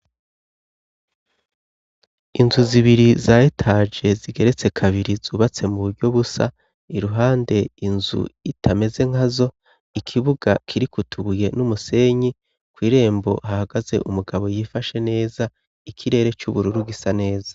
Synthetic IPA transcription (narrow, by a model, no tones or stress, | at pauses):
inzuziβiɾizajetʰad͡ʒe̞ziɡe̞ɾe̞t͡se̞kʰaβiɾizuːβat͡se̞muβuɾɟo̞βusa̰ | iɾuɦaːnde̞inzṵitʰame̞ze̞ŋ̥hazo̞ | ikʰiβuɡakʰiɾikutʰuβuje̞numuse̞ɲi | kwiːɾe̞ːmbo̞̰hahaɡaze̞̰ʔumuɡaβo̞jifaʃe̞ne̞ːza | ikʰiɾe̞ːɾe̞t͡ʃuβuɾuɾuɡisane̞ːzḁ